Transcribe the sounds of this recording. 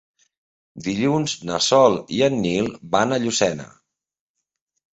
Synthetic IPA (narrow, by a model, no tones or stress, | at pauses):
d̪iʎunznəsɔlˠiənːilˠbanəʎusɛnə̰